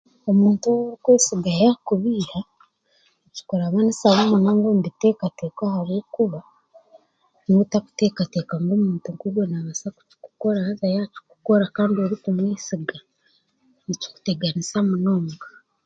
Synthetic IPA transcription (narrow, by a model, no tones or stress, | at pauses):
o̞muːntuɾikweːsiɡajakuβiːha | eci̥koɾaβanisaβoːmunoːŋɡombitekate̞ːkahaβwoːkuβa | notaku̥te̞ːkatekaŋɡoːmuːntuŋkuβwonaβasaku̥ci̥ku̥ko̞ɾahazajaci̥ku̥ko̞ɾakaːndio̞ɾikumwiːsiɡa | nici̥ku̥teɡanisamunoːŋɡa